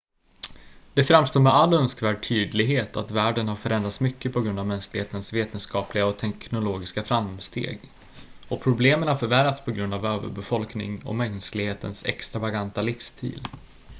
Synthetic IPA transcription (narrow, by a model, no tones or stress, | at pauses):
d̪̥ɛfɾamst̪oːmɛalːœnskvæːɖ̚ʈʰyːd̪lɪɡɦeːt̪at̪væːɖənhaɾfœɾɛnd̪ɾat̪smʏkːəpʰɔɡɾɵnd̪avmɛnsklɪɡheːt̪ənsveːt̪ənskɑːplɪɡaɔt̪ʰɛknʊloːɡɪskafɾamst̪ḛːɡ | ɔpʰɾʊbleːmənhaɾfœɾvæɾat̪spʰɔɡɾɵnd̪avøːvə̰ɾbɛfɔlknɪ̰ŋɔ̰mɛnsklɪɡheːt̪ə̰nsɛ̰kst̪ɾavaɡant̪alɪfst̪ʰḭːl